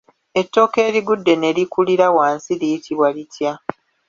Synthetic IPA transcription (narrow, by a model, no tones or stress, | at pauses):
e̞tːo̞ːke̞ːɾiɡudːe̞ne̞likuliɾawaːnsilijitʰiβwalitʰja